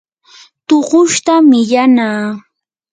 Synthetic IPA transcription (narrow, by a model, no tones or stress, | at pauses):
t̪oɢʊʃt̪amɪʎanaː